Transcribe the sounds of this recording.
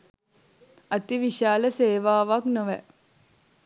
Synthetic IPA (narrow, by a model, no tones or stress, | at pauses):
ɐt̪iʋiʃaːləseːʋaːʋaknoʋɛ̰